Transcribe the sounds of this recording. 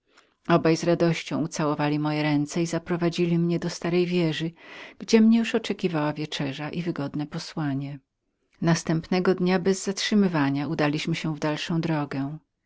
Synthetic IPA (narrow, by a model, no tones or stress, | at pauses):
ɔbajzɾad̪ɔɕt͡ɕɔ̃w̃ut̪sawɔvalʲimɔjɛɾɛnt̪sɛizapɾɔvad͡ʑilʲimɲɛd̪ɔst̪aɾɛjvʲjɛʐɘɡ̥d͡ʑɛmɲɛjuʂɔt͡ʂɛkʲivawavʲjet͡ʂɛʐaʔivɘɡɔd̪nɛpɔswaɲɛ | nast̪ɛmpnɛɡɔd̪ɲabɛzːatʂɘmɘvaɲaud̪alʲiɕmɘɕɛvd̪alʂɔ̃w̃d̪ɾɔɡɛ